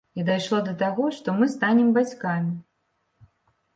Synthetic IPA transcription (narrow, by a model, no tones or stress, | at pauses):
id̪ajʂlˠɔd̪ɐt̪aɣɔʂt̪ɔmɨst̪anʲɛmbat͡sʲkamʲi